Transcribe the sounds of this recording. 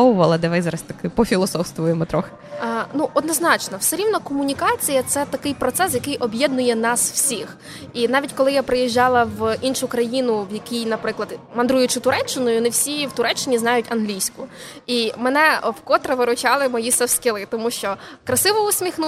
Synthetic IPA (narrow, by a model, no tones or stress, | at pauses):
ɔwʊʋɐlˠɐd̪ɛʋajzɑɾɐsʲt̪ɐkɪpɔfʲilˠɔsɔfst̪ʋʊjemɔt̪ɾɔxe̥ | nuʔɔd̪nɔznɑt͡ʃnɔwsɛɾʲiwnɐkɔmʊnʲikɑt͡sʲijɐt̪sɛt̪ɐkɪjpɾɔt̪sɛs̬jɐkɪjʔɔbʲjɛd̪nʊjɛnɑsw̥sʲix | inɑʋʲitʲkɔlˠɪjapɾɪjiʒʲːɑlˠɐʋinʃʊkɾɐjinʊwjɐkijnɐpɾɪklˠɐd̪mɐnd̪ɾujʊt͡ʃɪt̪ʊɾɛt͡ʃːɪnʊjɔnɪwsʲiwt̪ʊɾɛt͡ʃːɪnʲiznɑjʊtʲɐnɦlʲijsʲkʊimɛnɛwkɔt̪ɾeʋɪɾʊt͡ʃɑlˠɪmɔjisɛwskʲɪlˠɪt̪ɔmuʃt͡ʃɔkɾɐsɪʋɔʊsʲmʲixnu